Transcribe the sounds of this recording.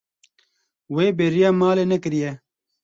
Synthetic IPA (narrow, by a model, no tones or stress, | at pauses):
weːbeːɾijaːmaːlenɐkɾije